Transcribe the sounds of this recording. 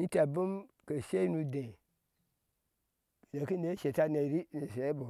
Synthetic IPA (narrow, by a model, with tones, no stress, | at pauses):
ni˦ta˨bu˦m | kə˨ʃe˦nu˨dẽ˨ | b̥e˨de˨ki˦ne˦ʃe˨ta˦ne˨ɾi˦ne˨se˨˦bu˨